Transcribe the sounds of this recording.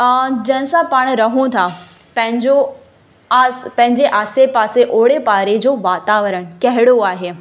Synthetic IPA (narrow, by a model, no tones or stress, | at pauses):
d͡ʑɐ̃ɦɪ̃sãpaːɽ̃ɾɐɦũt̪ʰa | pɐ̃ɦɪ̃ɲd͡ʑo | pɐ̃ɦɪ̃ɲd͡ʑeʔaːsepaːseʔoːɽepaːɾed͡ʑoːʋaːt̪aːʋəɾəɽ̃kɐɦɪɽoaːɦeː